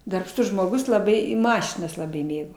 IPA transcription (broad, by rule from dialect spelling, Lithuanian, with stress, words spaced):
dɐrpˈʃtʊs ʒmoːˈɡʊs lˠɐˈbɐɪ ɪ ˈmɑːʃʲɪnɐs lˠɐˈbɐɪ ˈmʲeːɡoː